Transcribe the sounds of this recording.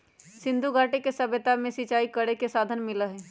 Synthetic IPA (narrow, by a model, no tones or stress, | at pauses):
sɪ̃nd̪ʱuɡʱaːʈekesɐbət̪amẽsɪt͡ʃaːikəɽekesaːd̪ʱənmɪlaɦɛː